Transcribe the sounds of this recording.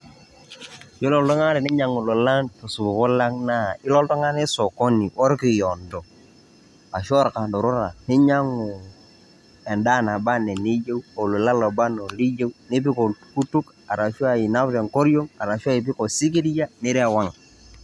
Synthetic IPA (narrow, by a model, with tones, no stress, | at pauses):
jo˦lɔ˨ldɔ˦ŋa˦ɾɪ˨nɪ˦ɲa˨ŋu˨lo˨la˦tu˨su˨bʊ˨kʊ˦la˦ŋna˦˨ɪ˦lɔ˦ldɔ˦ŋa˦ne˦so˨ko˦ni˨ʔɔ˦ɾki˨jɔ˨ndɔ˨ | a˨ʃɔ˦ɾka˨ndo˨ɾʊ˦ɾa˨nɪ˦ɲa˦ŋʊ˨ | ɛ˨nda˦˨na˨ba˦ne˨ni˦d͡ʒe˦wo˨lo˨la˦lo˨ba˦no˨li˦je˦wnɪ˦p̬ɪ˦ko˨ku˦tu˦k | a˨ɾa˨ʃu˦a˦i˨na˦βɾe˨ŋko˦ɾjo˦ŋa˨ɾa˨ʃu˦a˦i˨p̬ɪ˦ko˨si˦ki˦di˦ja˦nɪ˦ɾe˦˨wa˦ŋ˨